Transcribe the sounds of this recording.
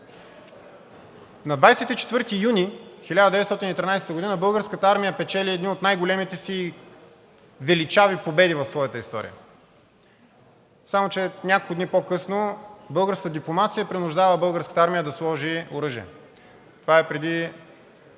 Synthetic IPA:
nɐd̪vajsɛt̪it͡ʃɛ̥t̪vɤɾt̪ijunixilʲad̪əd̪ɛvɛt̪st̪ɔt̪iniːt̪ɾinajsɛ̥t̪əɡod̪inəbɤlˠɡəɾskət̪əaɾmijəpɛt͡ʃɛliɛd̪niot̪najɡolɛmit̪ɛsi | vɛlit͡ʃavipobɛd̪ivɐfsvɔjət̪əist̪ɔ̰ɾḭjə̰ | samot͡ʃɛnʲakolkʊd̪nipokɤsnobɤlˠɡəɾskəd̪iplˠomat̪sijəpɾinʊʒd̪avəbɤlˠɡəɾskə̥t̪aɾmijəd̪ɐslˠɔʒioɾɤʒiɛ̰ | t̪ovaɛpɾɛd̪i

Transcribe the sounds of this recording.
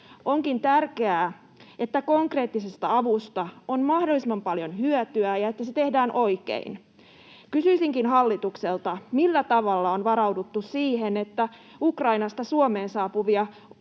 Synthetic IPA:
ʔoŋkint̪ærkeæː | ʔet̪ːæko̞ŋkre̞ːt̪ːisest̪ɑɑʋust̪ɑonmɑhdolːˑisemɑmpɑljonhyøt̪yæjɑet̪ːæset̪e̞hdæːnʔo̞ikḛin | kysyisiŋkinɦɑlːit̪ukselt̪ɑmilːæt̪ɑʋɑlːɑonʋɑɾɑwdut̪ːussiːhenet̪ːæ | ukrɑinɑst̪ɑsuomeːnsɑːpuʋiɑ

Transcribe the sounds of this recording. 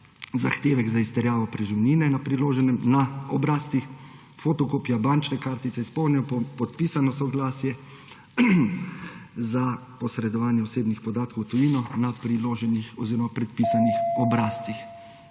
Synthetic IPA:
zaxt̪eːʋɛɡzaist̪ɛɾjaːʋɔpɾɛʒiwniːnɛnapɾiloːʒɛnɛmnaɔbɾaːst̪ix | fot̪ɔkoːpjabant͡ʃnɛkaːɾt̪it̪sɛispɔwlnɛɔɔpɔt̪̚piːsanɔsɔɡlaːsjɛ | zapɔsɾɛd̪ɔʋaːnjɛɔseːbnixpɔd̪aːt̪̚kɔwt̪ɔjiːnɔnapɾiloːʒɛnixɔziːɾɔmapɾɛt̪̚piːsanixɔbɾaːst̪t͡s̪ix

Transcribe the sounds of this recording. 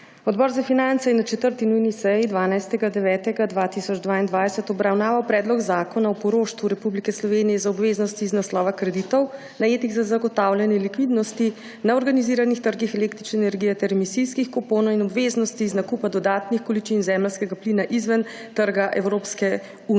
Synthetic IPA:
ɔd̪bɔːɾzafinant̪sɛjɛnat͡ʃɛt̪əɾt̪inujnisɛjid̪ʋaːnajst̪ɛɡad̪ɛʋɛːt̪ɛɡad̪ʋaːt̪isɔd͡ʒd̪ʋaːind̪ʋaːjsɛt̪ɔbɾawnaːʋawpɾɛːd̪lɔɡzaːkɔnaɔpɔɾoːʃt̪ʋuɾɛpublikɛslɔʋenijɛzaɔbʋeːznɔst̪iːznaslɔːʋakɾɛd̪it̪ɔw | najeːt̪iɣzazaɡɔt̪aːwlʲjɛnɛlikʋid̪nɔst̪i | naɔɾɡaniziːɾanixt̪əɾɡixɛleːkt̪ɾit͡ʃnɛːnɛɾɡijɛt̪ɛɾɛmisiskixkɔpoːnɔwinɔbʋeznɔst̪iːznakupad̪ɔd̪aːt̪nixkɔlit͡ʃinzɛmɛlskɛɡaplinaʔizʋɛn | t̪əɾɡaʔɛwɾoːpskɛ | uːn

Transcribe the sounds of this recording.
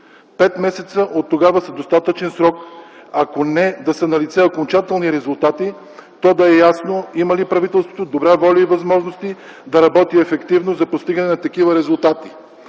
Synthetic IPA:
pɛt̪mɛsɛt̪səʔot̪ːoɡavəsɐd̪ost̪at̪ət͡ʃɛnsɾɔkɐkonɛd̪ɐsɛnɐlit̪sɛokont͡ʃat̪ɛlˠniɾɛzulˠt̪at̪i | t̪ɔd̪ɐɛjasnoimɐlipɾɐvit̪ɛlˠst̪vo̥t̪od̪obɾavɔlʲəivɐzmɔʒnost̪i | d̪ɐɾɐbɔt̪iɛfɛkt̪ivnozɐpost̪iɡɐnɛnɐt̪ɐkivəɾɛzulˠt̪at̪i̥

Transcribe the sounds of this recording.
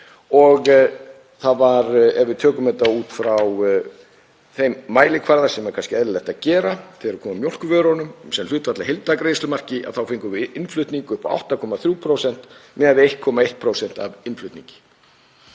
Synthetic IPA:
ɔɣ | θaðvaɾɛvɪðt̪ʰœːkʏmɛt̪auːt̪fɾaw | θejmːaːjlɪkʰvaɾðasɛmɛɾ̥kʰanscɪɛðlɪlɛht̪aðcɛːɾaθɪɾakʰɔːmamjowl̥kʏvœːɾɔnʏmsɛml̥ʏːt̪vat̪lahejlt̪akɾejslʏmar̥cɪʔa̰ðθawfɪŋkʏɾvɪʔɪnflʏɥt̪niŋkʏhpaa̰wht̪akʰɔːmaθɾjuːpʰɾowsɛn̥t̪mɛːðaðɪejht̪̚kʰɔːmaejht̪̚pʰɾowsɛn̥t̪avɪnflʏɥt̪niŋɲcɪ̥

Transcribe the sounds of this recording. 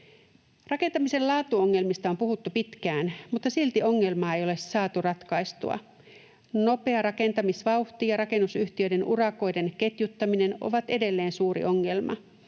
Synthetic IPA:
rɑke̞nt̪ɑmise̞llɑːt̪uoŋːe̞lmist̪ɑo̞mpuɦut̪ːupit̪kæːnmut̪ːɑsilt̪iʔo̞ŋːe̞lmɑːe̞jo̞le̞sːɑːt̪urɑt̪kɑjst̪ṵɑ̰ | no̞pe̞ɑɾɑke̞nt̪ɑmisʋɑuht̪ijɑɾɑke̞nːusyht̪iø̞de̞nʔurɑko̞jde̞nke̞t̪jut̪ːɑmine̞no̞̰ʋɑt̪e̞de̞lːe̞ːnsuːɾḭʔo̞ŋːe̞lmɑ̰

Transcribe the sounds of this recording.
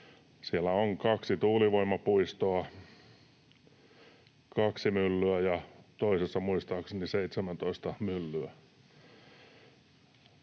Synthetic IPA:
sielːæoŋkɑksit̪uːliʋoimːɑpuist̪oɑ | kɑksimylːyæjɑt̪oisesːɑmuist̪ɑːkseniseit̪semænt̪oist̪ɑmylːyæ

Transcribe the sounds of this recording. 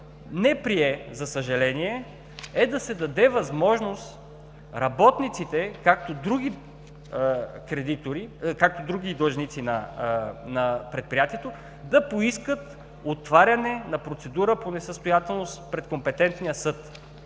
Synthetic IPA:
nɛpɾiɛzɐsəʒɐlɛniɛ | ɛd̪ɐsɛd̪ɐd̪ɛvɐzmɔʒnost̪ | ɾɐbɔt̪nit̪sit̪ɛkakt̪od̪ɾuɡi | kɾɛd̪it̪oɾikak̚t̪od̪ɾuɡid̪ˠʒnit̪sinɐ | nɐpɾɛt̪̚pɾijat̪iɛt̪o | d̪ɐpoiskət̪ | ot̪vaɾʲɐnɛnɐpɾot̪sɛd̪uɾəponɛsəst̪ojat̪ɛlˠnospɾɛt̪kompɛt̪ɛnt̪nijəsɤt̪

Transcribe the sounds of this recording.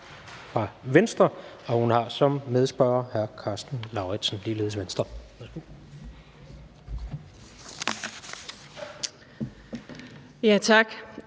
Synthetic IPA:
fʁɑ̈ʋensd̥ʁɐ | ɒ̽hunhɑ̈sɒ̽mmeð̞ˠsb̥ɶːɐhæɐkʰɑ̈sd̥n̩lɑ̈ʊʁɛd̥sn̩liːle̝ːðˠsʋensd̥ʁɐʋeðˠsɡ̥u | jæt͡sʰɑɡ̥

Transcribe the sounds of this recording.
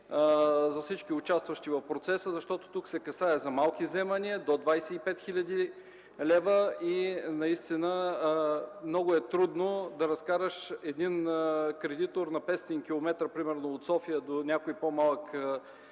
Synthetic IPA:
zɐfsit͡ʃkʲiʊt͡ʃast̪vɐʃt̪ivɐfpɾot̪sɛsəzɐʃt̪ɔt̪o̥t̪uksɛkɐsaɛzɐmalˠkizɛmɐniəd̪od̪vajsɛipɛt̪xiʎʲɐd̪i | lɛvəinɐist̪inə | mnɔɡʊɛt̪ɾud̪nod̪ɐɾɐskaɾəʃɛd̪inkɾɛd̪it̪oɾnɐpɛst̪iŋkʲilˠomɛt̪ɾəpɾimɛɾnoot̪sɔfiəd̪onʲakoipomalˠək

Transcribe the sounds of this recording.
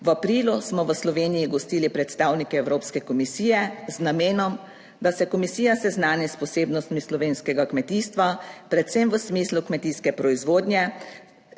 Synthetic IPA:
ʋapɾiːlusmɔʋəslɔʋeːnijiɡɔst̪iːlipɾɛt̪st̪aːwnikɛɛwɾoːpskɛkɔmisiːjɛznameːnɔm | d̪asɛkɔmisiːjasɛznaːnispɔseːbnɔst̪mislɔʋeːnskɛɡakmɛt̪iːst̪ʋapɾɛt̪sɛmʋəsmiːslukmɛt̪iːskɛpɾɔizʋoːd̪nʲjɛ

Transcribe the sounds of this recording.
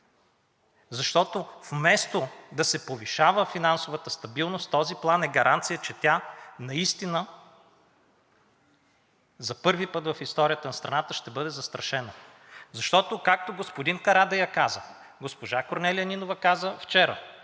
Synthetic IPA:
zɐʃt̪ɔt̪ofmɛst̪od̪ɐsɛpoviʃavəfinansovɐt̪əst̪ɐbilˠnost̪ɔziplˠanɛɡɐɾʔant̪sijət͡ʃɛt̪ʲjanɐist̪inə | zɐpɤɾvipɤt̪vɐfist̪ɔɾʲijət̪ɐnɐst̪ɾɐnat̪əʃt̪ɛbɤd̪ɛzɐst̪ɾɐʃɛnə | zɐʃt̪ɔt̪okak̚t̪oɡospod̪inkɐɾad̪ɐjɐkazə | ɡospoʒakoɾnɛliɐninovɐkazəft͡ʃɛɾə̰

